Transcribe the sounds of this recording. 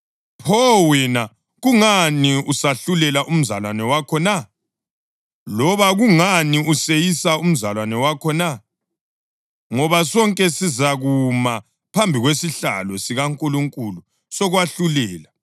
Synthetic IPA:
pʰɔwina | ɣuŋaniusaɬulɛlaʔum̩zalwanɛwakʰɔna | lɔβaɣuŋaniusejisaum̩zalwanɛwakʰɔna | ŋɔβasɔŋkʼɛsizaɣuma | pʰambʱiɣwesiɬa̰lɔsiɣaŋkʼuluŋkʼulu | sɔɣwaɬulɛːla

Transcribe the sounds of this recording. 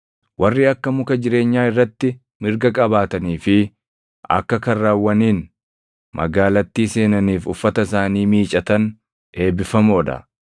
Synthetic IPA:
wʔɐrːiːɐkːɐmʊkɐd͡ʒɪɾe̞ːɲːaːɪrːɐt̪ːɪ | mɪɾɡɐkʼɐbaːt̪ɐniːfɪ | ɐ̰kːɐkɐrːaːwːɐniːn | mɐ̰ɡaːlɐt̪ːiːse̞ːnɐniːfʊfːɐt̪ɐɪs̬aːniːmiːt͡ʃʼɐt̪ɐn | e̞ːbɪfɐmoːᶑ̪ɐ̰

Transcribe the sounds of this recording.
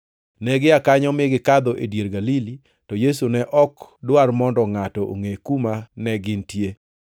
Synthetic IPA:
nɛɡɪakaɲɔmɪɡɪkad̪ɔʔedjeɾɡalili | tɔjesunɛʔɔkdwarmɔndɔŋatɔʔo̰ŋekumanɛɡɪntje

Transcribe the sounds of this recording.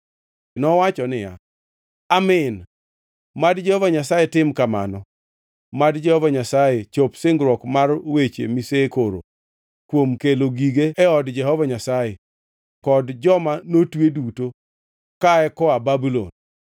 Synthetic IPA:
nɔwat͡ʃɔnɪja̰ | amɪn | madd͡ʒɛhɔvaɲasajetɪmkama̰nɔ | madd͡ʒɛhɔvaɲasajet͡ʃopsɪŋɡɾwɔkmarwet͡ʃḛmisekoɾo̰ | kwomkeloɡiɡeːɔdd͡ʒɛɦɔvaɲasaje | kɔdd͡ʒɔmanotweduto | kaɛkɔababulo̰n

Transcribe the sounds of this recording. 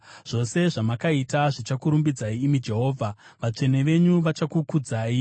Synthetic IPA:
ʐ̥o̞se̞ʐamakaitaʐit͡ʃakuɾumbid͡zaiːmid͡ʒe̞ɦo̞ːvʱaʋat͡ʂe̞neʋe̞ɲuʋat͡ʃakukud͡zaːi

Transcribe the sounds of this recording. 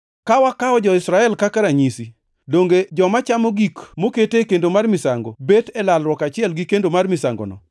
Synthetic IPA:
kawakaɔd͡ʒɔɪsɾaɛlkakaɾaɲisi | doŋɡed͡ʒɔmat͡ʃamoɡikmoketekendomarmɪsaŋɡobetɛlalɾwɔkat͡ʃɪɛlɡikendomarmɪsaŋɡo̰nɔ̰

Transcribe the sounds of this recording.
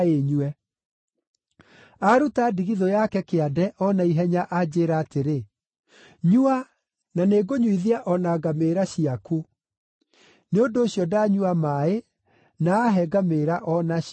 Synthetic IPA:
eɲuɛ | aɾutadiɣiðojakɛkeadɛʔɔnaiɦɛɲaʔad͡ʑeːɾaːteɾe | ɲua | naneːɡoɲwiðiaʔɔnaɡameːɾaɕiaku | neondoːɕjɔdaɲuamae | naːɦɛɡameɾaʔɔna

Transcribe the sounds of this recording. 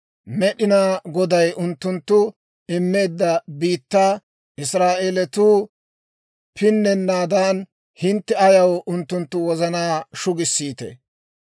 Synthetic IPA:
mɛɗɪnaːɡɔd̪ɐjʊnt̪ːʊnt̪ːʊ | ɪmːe̞ːd̪ːɐbiːt̪ːaː | ʔɪsɾaːʔeːlɛt̪uː | pʰɪnːɛnːaːd̪aːn | hɪnt̪ːɛɐjɐwʊnt̪ːʊnt̪ːʊwɔzɐnaːʃʊɡɪsːiːt̪ḛ

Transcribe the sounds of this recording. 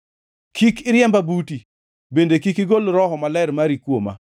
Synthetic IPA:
kʰikɪɾjɛmbabuti | bendekikiɡolɾɔɦɔmalɛɾmaɾikwoma̰

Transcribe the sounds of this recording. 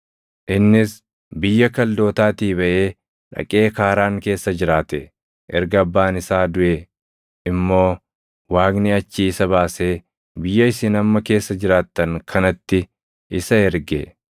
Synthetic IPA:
ʔɪnːɪs | bɪjːɐkɐld̪o̞ːt̪aːt̪iːbɐʔe̞ː | ᶑɐ̰kʼe̞ːkaːɾaːŋke̞ːsːɐd͡ʒɪɾaːt̪ɛ | ʔɛɾɡɐɐbːaːnɪsaːd̪ʊʔe | ʔɪmːo̞ː | waːɡniɐt͡ʃːiːsɐβaːse̞ː | bɪjːɐɪsɪnɐmːɐke̞ːsːɐd͡ʒɪɾaːt̪ːɐŋkʰɐnɐt̪ːɪ | ʔɪsɐɛɾɡe

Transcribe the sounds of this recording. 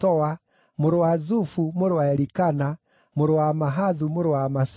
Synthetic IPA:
ɔwa | moɾowazufumoɾowaɛɾikana | moɾowamaɦaðumoɾowamas

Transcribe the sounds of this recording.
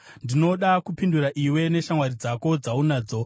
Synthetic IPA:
ndino̞ɗakupinduɾaʔiwe̞ne̞ʃamwaɾid͡zako̞d͡zaunaːd͡zo̞

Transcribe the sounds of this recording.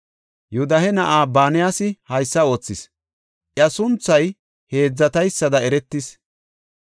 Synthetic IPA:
jʊd̪ɐhɛnɐʔaːbaːnɪjaːsɪhɐjsːɐo̞ːt͡sːɪs | ʔjɐsʊnt͡sːɐj | he̞ːd͡zːɐt̪ɐjsːɐd̪ɐɛɾɛt̪ːɪs

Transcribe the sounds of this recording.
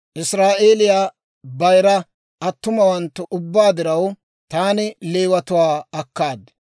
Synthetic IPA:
ʔɪsɾaːʔe̞ːlɪjaː | bɐjɾɐ | ɐt̪ːʊmɐwɐnt̪ːʊʔʊbːaːd̪ɪɾɐw | t̪aːnɪleːwɐt̪ʊwaːɐkːaːd̪

